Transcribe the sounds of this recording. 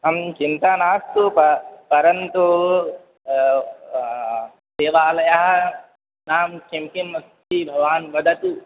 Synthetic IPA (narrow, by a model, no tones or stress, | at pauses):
ɐmt͡ʃint̪aːnaːst̪upɐpɐɾɐnt̪u | seːʋaːlɐjaɦɐ | naːmkemkinmɐst̪ibʱɐɡʋaːnbɐd̪ʱɐt̪u